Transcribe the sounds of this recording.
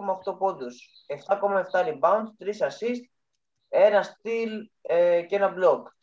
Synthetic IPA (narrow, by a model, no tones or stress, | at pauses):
omɐft̪o̞pod̪us | e̞ft̪ɐko̞mɐe̞ft̪ɐɾibɐunt̪t̪ɾisɐsist̪̚ | e̞nɐst̪ilece̞nɐblok